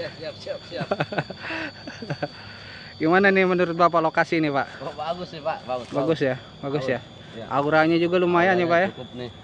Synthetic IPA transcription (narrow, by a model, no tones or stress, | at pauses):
ɡimananɪmənuɾʊt̪̚bapalokasinɪpaʔbaɡʊspabaɡʊsja | baɡʊsja | ʔa̰uɾaɲad͡ʒuɡalumajaɲapaʔja